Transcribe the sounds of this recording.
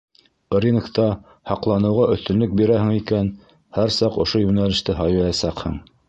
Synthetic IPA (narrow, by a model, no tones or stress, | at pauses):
ɾʲinkt̪ɑ | hɑqlˠɑnɤ̆wʁɑʔɵ̆θt̪ɵ̆nlɵk̚biɾæɦɘ̆ŋikæn | hæɾsɑqŏʃojʉnælɘ̆ʃt̪ɘɦɑjɑjɑsæqhɤ̰ɴ